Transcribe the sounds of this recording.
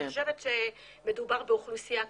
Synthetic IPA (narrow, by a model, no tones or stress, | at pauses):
oʃevet̪ʃe | me̞d̪ubaʁbeoχlusija